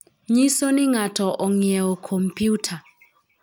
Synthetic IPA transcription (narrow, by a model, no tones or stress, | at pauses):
ɲisɔniŋatʰɔʔɔŋiɛɔkʰɔmpʰʼjuːtʰa